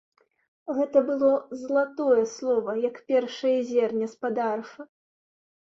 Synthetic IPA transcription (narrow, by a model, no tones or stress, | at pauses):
ɣɛt̪ɐbɨlˠɔzlˠat̪ɔjɛslˠɔvɐjɐkpʲɛrʂɐjɐzʲɛrnʲɐspad̪arfɐ